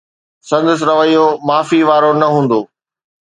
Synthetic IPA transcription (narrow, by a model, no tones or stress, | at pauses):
sɐ̃nd̪əs̬ɾɐʋəijomaːfiʋaːɾonɐɦũːnd̪oː